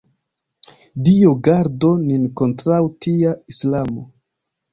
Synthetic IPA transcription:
dioɡaɾdo̞ninko̞ntɾawtiaislamo

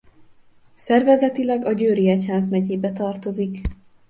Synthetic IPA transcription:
sɛrvɛzɛt̪ilɛɡɒɟøːɾiɛchaːzmɛɟeːbɛt̪ɒrt̪o̞zik

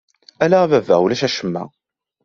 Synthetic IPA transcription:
ælævævæ̰ʁulæʃæʃəmːæ̰

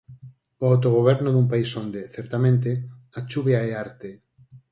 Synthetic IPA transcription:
oawt̪oɣ̞oβ̞ɛɾnoðumpaisond̪eθeɾt̪amẽnt̪̬eat͡ʃuβjaeaɾt̪e

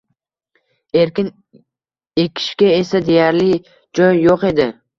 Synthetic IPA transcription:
e̞ɾkʲɪn | ekʲʰɪ̥ʃkʲae̞sad̪ejaɾlɪ | d͡ʒɒjːoqe̞d̪ɪ

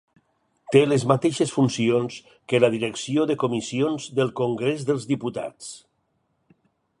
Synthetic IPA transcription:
t̪eləzmat̪eʃəsfunsions | kələðiɾəksioðəkomisionzðəlˠkoŋɡɾezðəlˠzðiput̪a̰t͡s

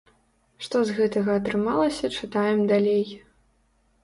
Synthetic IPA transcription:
ʂt̪ɔzɣɛt̪ɐɣɐːt̪ɾɨmalˠɐsʲɐt͡ʂɨt̪ajɛmd̪alʲej

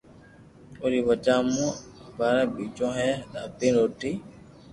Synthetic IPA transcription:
oɾiːʋət͡ʃãːmũːbaːɾãːɓiːt͡ʃõːɦɛːɗa̰ːpĩːɾoːʈiː

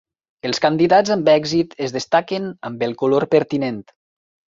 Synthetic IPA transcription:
əlˠskand̪iðad͡zambɛɡzit̪əzðest̪akenəmbəlˠkuloɾpəɾt̪inent̪

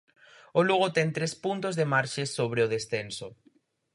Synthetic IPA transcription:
ʊluɣot̪ɛŋt̪ɾespunt̪ozðemaɾʃesoβɾeʊð̞esθenso

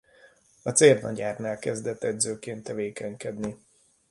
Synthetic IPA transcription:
ɒt̪seːrnɒ̰ɟaːrnaːlkɛzd̪ɛt̪ːɛd̪zøːkeːnt̪ːɛveːkɛɲkɛd̪ni

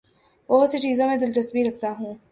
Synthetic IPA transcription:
ʋɐɦʊset͡ʃiːzõmẽd̪ɪlt͡ʃɐst̪biɾɐkʰt̪aɦũː

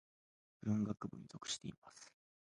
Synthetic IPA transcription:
b̥ɯ̟̃ŋɡakɯ̟bɯ̟̃ɲzo̞kɯ̟̥ɕi̥t̪e̞̰imasɨ̥

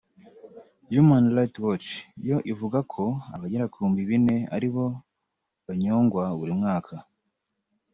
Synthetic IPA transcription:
jumanlatwot͡ʃijo̞ʔivuɡakʰo̞aβaɟeɾakʰuːmbiβine̞a̰ɾiβo̞ | βaɲoːŋɡwaβuɾimŋaːkʰa

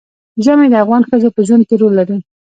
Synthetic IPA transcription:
ʒəmed̪əafɣɑnxəzopəʒwand̪̚keɾolːaɾi

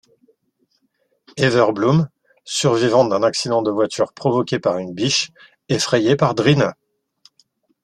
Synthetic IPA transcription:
evœʁblum | syʁvivɑ̃d̪ɛ̃naksid̪ɑ̃d̪əvwat̪ʰyʁpχɔvɔkʲepaʁynbiʃ | efχejepaʁd̪ʁina

